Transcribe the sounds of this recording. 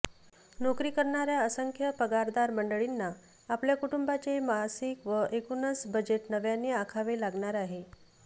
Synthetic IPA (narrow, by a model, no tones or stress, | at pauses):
nokɾiːkəɾɳaɾjaəsəŋkʰjəpəɡaɾd̪aɾməɳɖəɭinːaː | pljakuʈumbat͡ɕemaɦasikʋəʔekunət͡sbəd͡ʑeʈnəʋjanːeakʰaʋelaɡɳaɾaɦe